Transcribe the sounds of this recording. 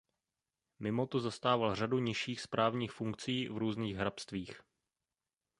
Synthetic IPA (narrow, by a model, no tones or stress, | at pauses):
mɪmo̞t̪ozast̪aːvalr̝aduɲɪʃiːxspɾʔaːvɲiːxfuŋkt͡siːvɾuːzniːɣɦɾapst̪viːx